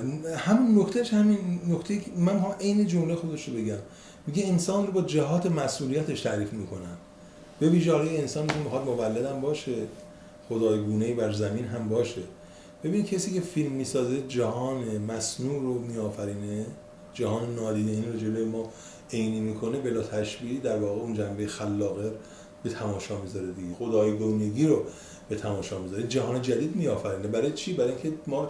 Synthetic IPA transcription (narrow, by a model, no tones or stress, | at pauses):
hæminːocʰt̪ʰeʃhæminːokʰt̪ejimænmixɒmʔe̞jne̞d͡ʒomlexo̞d̪eʃɾobe̞ɟæmː | iɟeːnsɒːnɾobɒːd͡ʒæɦɒːt̪ʰe̞mæsuːlijæt̪ʰeʃt̪ʰæɾiːfmiːkʰo̞nænd̪̥ | b̥e̞viːʒeɒːlɒːjeensɒːnmikʰemixɒːd̪movælːed̪æmbɒːʃe | xod̪ɒːjɡuːnejibæɾzæmiːnɦæmbɒːʃe | b̥ebinid̪cʰesiːcʰe̞filmːiːsɒːze̞d͡ʒæhɒːnemæsnuːɾomiːɒːfæɾiːne | d͡ʒæhɒːnenɒːd̪iːd̪einɾod͡ʒelojemɒː | ejniːmiːkʰo̞ne̞be̞lɒːt̪ʰæʃbid̪æɾvɒːɣe̞und͡ʒæmbejexælːɒːɣeɾ | bet̪ʰæmɒːʃɒːmizɒɾed̪iɡexo̞d̪ɒːjeɡoneɡiːɾo | b̥et̪ʰæmɒːʃɒːmizɒːɾid͡ʒæɦɒːne̞d͡ʒæd̪iːd̪miɒːfæɾiːnebæɾɒːjet͡ʃʰiːbæɾɒːjiŋcʲʰemɒː